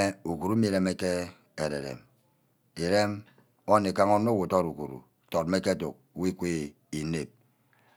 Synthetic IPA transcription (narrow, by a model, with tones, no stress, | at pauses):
e˦u˨ku˨ɾu˦mi˦˨ɾe˨me˦ke˦ | e˨ɾḛ˨ɾḛ˨m | e˨ɾe˦m | o˦nːe˨ka˦ŋo˦no˦wo˨tɔ˦ɾu˨kṵ˨ɾṵ˨tɔ˨t̚me˦ke˦to˨k̚wi˦kʷe˦ | i˨ne˨p̚